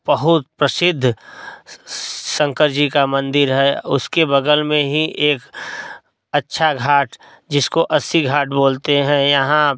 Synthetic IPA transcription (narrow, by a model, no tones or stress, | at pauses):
bəɦʊt̪̚pɾəsɪd̪ʱː | sə̃ŋkəɾd͡ʒikamə̃nd̪ɪɾɦɛːʊskebəɡ̪əlmẽɦiʔeːk | ətːʃʰaɡʱaːʈ | d͡ʒɪskoʔəsiɡʱaːʈboːlt̪eɦɛ̃jɐɦã